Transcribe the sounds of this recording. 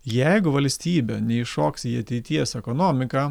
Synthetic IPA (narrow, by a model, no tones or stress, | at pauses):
jɛɪɡʊʋɐlʲsʲt̪ʲiːbʲɛnʲɛɪʃoːksʲiːɐt̪ʲɛɪt̪ʲiɛsɛkoːnoːmʲɪkɑː